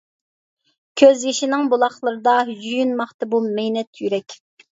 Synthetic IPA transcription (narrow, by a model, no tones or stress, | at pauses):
kʲʰøzjiʃinɪŋbulˠɑχlˠəɾɨd̪ɑjyjynmɑχt̪ɨbulmɛjnɛt̪ʰjyɾɛkʲ